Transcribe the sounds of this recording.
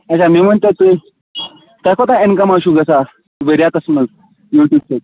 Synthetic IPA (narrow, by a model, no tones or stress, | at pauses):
at͡ɕamiːm̤əɳt̪et̪ə | t̪əkʰot̪aenkəmaɕuːɡəsa | ʋeɾjat̪əsməl | juʈjuːbset̪̚